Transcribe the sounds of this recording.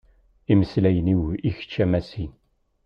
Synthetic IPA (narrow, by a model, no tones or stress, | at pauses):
iməslæjəniwiçə̥t͡ʃːæmæsin